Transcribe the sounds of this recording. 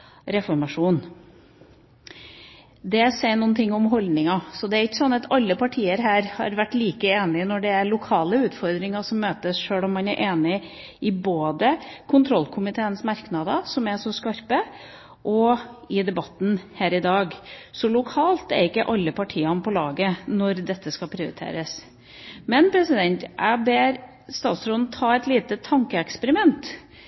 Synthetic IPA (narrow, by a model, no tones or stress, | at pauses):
ɾɛfɔɾmɑʂuːn | d̪ɛsɛɪnuːnt̪ʰɪŋːɔmɦɔld̪nɪŋɑsɔd̪ɛæɾɪkːəsɔnːɑt̪ɑlːəpʰɑʈʰiːəɾɦæːɾhɑ̰ɾʋæʈːliːkəeːnɪnɔɖɛæɾɭʊkʰɑːləʉːt̪fɔɾd̪ɾɪŋɑʂɔmːøːt̪əsʂøːɽɔmːɑnæɾʔeːnɪ | ɪboːd̪əkʰʊnt̪ʰɾɔlːkʰʊmɪt̪ʰeːənsmɑɾknɑːd̪əsɔmæʂɔskɑɾpə | ʔɔɪd̪ɛbɑt̪ːn̩hæːɾɪd̪ɑːɡsɔlʊkʰɑːlt̪æɾɪkːəʔɑlːəpʰɑʈʰiːɑnpʰɔlɑːɡənɔɾd̪ɛt̪ːəskɑpʰɾɪʊɾɪt̪ʰḛːɾəs | mɛnpʰɾɛsɪd̪ɛnt̪æbeːɾ | st̪ɑːt̪sɾɔnn̩t̪ʰɑːɛt̪liːt̪ət̪ʰɑŋkəɛkspəɾɪmɛnt̪